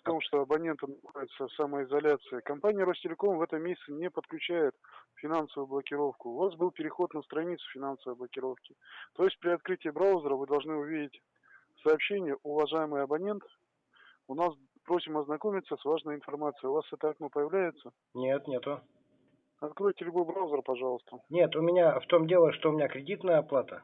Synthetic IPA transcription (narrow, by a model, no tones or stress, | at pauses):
t̪o̞mʂt̪oɐbɐnʲe̞nt̪ɨnɐxodʲɪt̪səfsaməɪzɐlʲat̪sɨɪkɐmpanʲɪjəɾostʲɪlʲɪko̞mvɛt̪əmːʲesʲɪt̪sɨnʲepət̪̚klʲʉt͡ɕæjɪt̪fʲɪnansəvʊjʊblˠəkʲɪɾo̞fkʊːvasbɨlˠpʲɪɾʲɪxo̞t̪nəst̪ɾɐnʲit̪sʊ̥fʲɪnansəvəjblˠəkʲɪɾo̞fkʲɪt̪o̞jɪsʲt̚ʲpɾʲɪɐt̪kɾɨtʲɪːbɾawzʲəɾəvɨd̪ɐlˠʐnɨʊvʲidʲɪtʲ | fsɐːpɕenʲɪjəʔʊvɐʐajɪmɨjɐbɐnʲe̞nt̪ | ʊnas | pɾo̞sʲɪmɐznɐko̞mʲɪt̪sːəsvaʐnəjɪnfɐrmat̪sɨjʊvasɛt̪əɐknopəjɪvlʲæjɪt̪sə | nʲet̪nʲet̪ʊ | ɐt̪kɾojtʲɪlʲʊɡobɾaʊzʲəɾəpɐʐɑlˠəst̪ənʲet̪ʊmʲɪnʲaft̪omdʲelˠəʂt̪oʊmʲɪnʲakɾʲɪdʲit̪nəjəɐplˠat̪ə